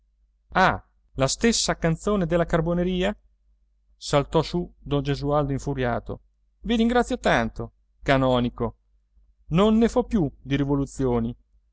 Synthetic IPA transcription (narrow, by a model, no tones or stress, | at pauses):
a | last̪esːakant̪soːned̪elːakarboneɾiːa | salt̪ɔsud̪ond͡ʒezuald̪oiɱfuɾjaːt̪o̰ | viɾiŋɡɾat̪sːjot̪ant̪o | kanɔːniko | nonːefɔpːjud̪iɾivolut̪sːjoːni